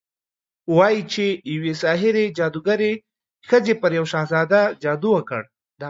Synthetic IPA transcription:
wɑjit͡ʃejawesɑɦɪɾed͡ʒɑd̪uɡaɾe | xəzepəɾjawʃɑhzɑd̪ad͡ʒɑd̪uwəkə̰ɽ | d̪ɑ

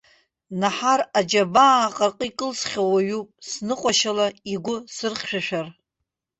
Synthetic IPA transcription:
naħarad͡ʒabaqʼarqʼiikʼɨlsχʲawaɥupʼsnɨqʷʼaʃalaiɡʷʊsɨrχʲʃᶣaʃᶣar

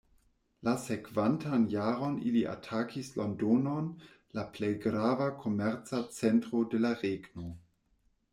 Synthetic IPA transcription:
lasekv̥antʰanjaːɾo̞nḭliʔa̰tʰakʰislondonon | laplejɡɾavakʰo̞mɛɾt͡sat͡sentʁodelaʁeɡno

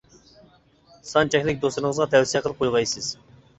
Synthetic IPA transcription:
sɑnt͡ʃʰɛkʲlɪk̚ʲd̪osɨɾəŋəzʁɑt̪ʰɛwsijɛqʰəlˠəp̚qʰojʁɑjsɨz̥

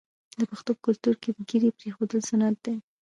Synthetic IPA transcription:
d̪əpaxt̪opəkʊlt̪uɾkepəɡiɾepɾexod̪əlsanat̪̚d̪e

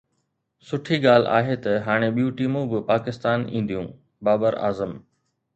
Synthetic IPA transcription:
sʊʈʰiɠaːl̤a̰ːɦet̪ɐɦaːɽ̃eɓijũʈiːmũbɪpaːkɪst̪aːnḭ̃ːnd̪ijũː | baːbəɾa̰ːzəm

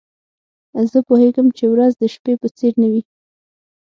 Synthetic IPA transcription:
zəpoheɡəmt͡ʃewɾazd̪əʃpepət͡seɾnawi

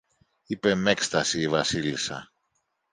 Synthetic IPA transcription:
ipe̞me̞kst̪ɐsiːvɐsilisɐ̰

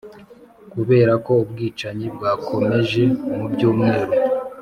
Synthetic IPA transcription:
kuβe̞ːɾako̞ub̚ɡiːt͡ʃaɲibɡaːkʰo̞me̞ʒe̞umubɟuːmŋe̞ːɾo

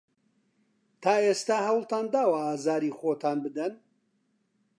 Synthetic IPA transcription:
t̪ʰaːeːst̪aːhɐwlˠt̪ʰaːnd̪aːwaaːzaːɾiːxoːt̪ʰaːnbɨd̪ɐn

